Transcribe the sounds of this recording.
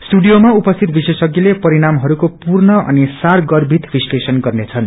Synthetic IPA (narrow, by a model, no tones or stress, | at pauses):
sʈuɖijomaupʌst̪ʰit̪bisesʌɡilepʌɾiɽamɦʌɾukopurnʌʔʌ̰nisarɡʌrbʱit̪bislesʌnɡʌrnet͡sʰʌn